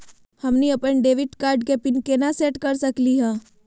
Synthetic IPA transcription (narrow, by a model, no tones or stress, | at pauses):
hɐmniɐpənɖeːʋɪʈkaːɾɖ̚kepɪnkenaseːʈkɐɾsɐkliɦɛ̃ː